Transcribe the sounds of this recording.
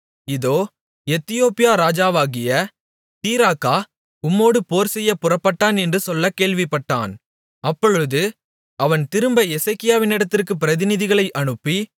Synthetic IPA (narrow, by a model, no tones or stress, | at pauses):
ɪðoː | ɛt̪ːɪjoːpɪjaːɾaːd͡ʒaːʋaːɣɪjɐ | t̪iːɾaːkaː | ʊmːoːɽɯpoːɾsɛjːɐpʊrɐpːɐʈːaːnɛndrɯsɔlːɐkeːɭʋɪpːɐʈːa̰ːn | ɐpːɔɻɯðɯ | ʔɐʋɐnt̪ɪɾɯmbɐɛsɐɪkːɪjaːʋɪnɪɽɐt̪ːɪrkɯpɪɾɐðɪnɪðɪɣɐɭɐɪʔɐɳɯpːi